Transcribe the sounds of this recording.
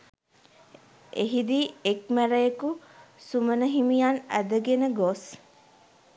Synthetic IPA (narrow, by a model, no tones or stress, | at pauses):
ʔeɦid̪iːek̚mæɾəjəkusumənəɦimijanæ̰d̪əɡenəɡos